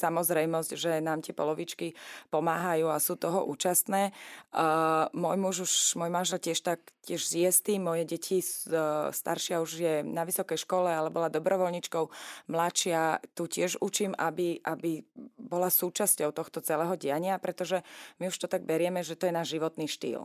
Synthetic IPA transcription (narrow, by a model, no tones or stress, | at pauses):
samɔzɾɛjmɔzcʒɛnaːmt̪ɪɛpɔ̰lɔʋit͡ʃkipɔmaːɦajuːasuːt̪ɔɦɔ̰ʔṵːt͡ʃast̪nɛː | mʊɔjmuʒuʃmɔjmanʒɛlcɪɛʃt̪akcɪɛʒzɪjɛst̪iːmːɔjɛɟɛcʰisst̪a̰ɾʃɪauʒjɛnaʋisɔkɛjʃkɔlɛalɛbɔlad̪ɔbɾɔʋɔlɲit͡ʃkɔʊmlaʃɪat̪ucɪɛʒut͡ʃiːmabiʔabibɔlasuːt͡ʃascɔʊt̪ɔxt̪ɔt͡sɛlɛːɦɔɟɛaɲɪapɾɛt̪ɔʒɛmiuʃt̪ɔt̪aɡ̚bɛɾɪɛmɛʒɛt̪ɔjɛnaːʒʒiʋɔt̪niːʃt̪ḭːl